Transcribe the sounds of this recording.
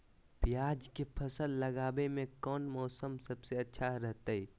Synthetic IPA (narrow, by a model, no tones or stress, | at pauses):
pjaːd͡ʒkepʰɐsəlːɐɡaːbemẽkɔːnmɔːsəmsɐbseɐtːʃʰaɾɛɦt̪aɦiː